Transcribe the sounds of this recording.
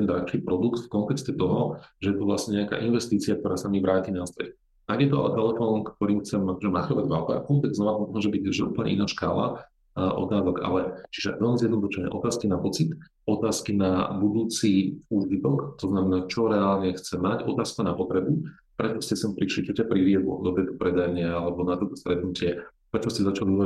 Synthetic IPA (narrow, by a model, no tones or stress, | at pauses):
t̪ɛnd̪ɾa̰t͡ʃiːpɾɔd̪ukt̪fkɔnt̪ɛkstɛt̪ɔɦɔʒɛjɛt̪ɔʋlasɲɛɲɛaka̰ːʔinʋɛst̪iːt͡siak̚t̪ɔɾaːsamiʋɾaːcinast̪ɾɛ̰x | aɡjɛt̪ɔa̰t̪ɛlɛfɔːnkt̪ɔɾiːmxt͡sɛmakɔʒɛmaxɔʋaɟʋalpa̰ːkut̪aɡznɔʋaɔʒɛbiɟʒɛʔṵːpəlɲɛ̰ḭnaːʃka̰ːla̰ | ʔɔ̰t̪aːzɔɡa̰lɛt͡ʃiʒɛ̰ʋɛlmizjɛd̪nɔd̪uʃɛɲɛ̰ʔɔt̪aːskinapɔt͡sit̪ | ɔt̪aːskinabud̪uːt͡siuːʒit̪ɔkt̪ɔznamɛnaːt͡ʃɔɾɛaːlɲɛxt͡sɛmːacɔ̰t̪aːskanapɔt̪ɾɛbu | pɾɛt͡ʃɔscɛsɛmpɾiʃlit͡ʃɔcapɾiʋɪɛd̪lɔ̰d̪ɔt̪ɛːt̪ɔ̥pɾɛd̪aɲɪaalɛbɔnat̪ɔt̪ɔst̪ɾɛt̪nucɪɛ | pɾɛt͡ʃɔscɛzat͡ʃaliu